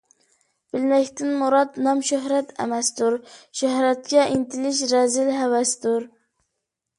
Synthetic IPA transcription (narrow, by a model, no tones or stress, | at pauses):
b̥ɪlmɛkʲt̪ɪnmuɾɑt̪nɑmʃoɦɾɛt̪ɛ̰mɛst̪uɾʃɛhɦɾɛt̪̚kʲɛʔint̪ɪlɪʃɾɛzɪlɦɛwɛst̪uɾ